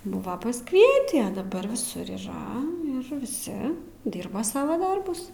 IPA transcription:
ˈbʊʋɐ pɐsˈkʋʲiɛtʲiː ɐ dɐˈbɐr ʋʲɪˈsʊr iːˈrɐ ɪr ʋʲɪˈsʲɪ ˈdʲiːrbɐ ˈsɑːʋɐ ˈdɐrbʊs

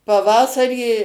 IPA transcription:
pɐˈʋɑːsɐrʲiː

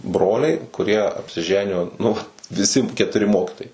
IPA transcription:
ˈbroːlʲɛɪ kʊˈrʲiɛ ɐpʲsʲɪˈʒʲæːnʲɪjoː nʊ ˈʋɐt ʋʲɪˈsʲɪ kʲɛtʊˈrʲɪ ˈmoːkʲɪtoːjɛɪ

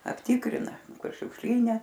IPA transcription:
ɐpʲˈtʲɪkrʲɪnɐ ˈkʊr ʃʲʊkʃʲˈlʲiːnʲɛ

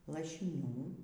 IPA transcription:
lˠɐʃʲɪˈnʲuː

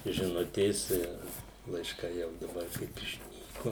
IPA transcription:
ʒʲɪˈnʊtʲeːs ɪr lˠɐɪʃˈkɐɪ jɛʊ dɐˈbɐr kɐɪp ɪʃʲˈnʲiːkʊ

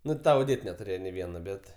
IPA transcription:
ˈnʊ tɐ oːˈdʲeːt nʲɛtʊˈrʲeːjɛ nʲeː ˈʋʲiɛnɐ ˈbʲɛt

